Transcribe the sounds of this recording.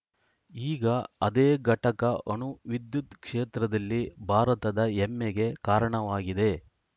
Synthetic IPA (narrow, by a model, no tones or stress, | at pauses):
iːɡɐɐd̪eːɡʱɐʈɐkɐʔɐnuʋid̪jut̪kʂeːt̪ɾɐd̪ɐlːibʱaːɾɐt̪ɐd̪ɐemːeɡe̞kaːɾɐɳɐʋaːɡid̪e̞